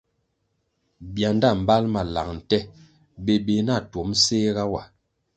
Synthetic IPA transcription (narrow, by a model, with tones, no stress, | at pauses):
bja˨nda˦˨m̩˨ba˦lma˨la̰˨ŋ̚n̩˨tɛ˦ | be˨be˨na˦˨to˨˦mseː˦ɣa˦wa˨